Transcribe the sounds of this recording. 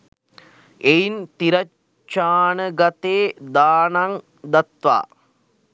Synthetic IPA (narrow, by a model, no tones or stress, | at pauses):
ejint̪iɾɐ | t͡ʃːaːnəɡat̪eːd̪aːnaŋ | d̪at̪ʋa̰ː